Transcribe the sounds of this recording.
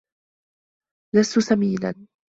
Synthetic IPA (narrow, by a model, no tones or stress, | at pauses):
last̪ʊsamiːla̰n